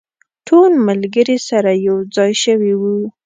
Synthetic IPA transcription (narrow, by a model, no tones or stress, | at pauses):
ʈʰolmalɡəɾisaɾajawd͡zɑjʃəwiwu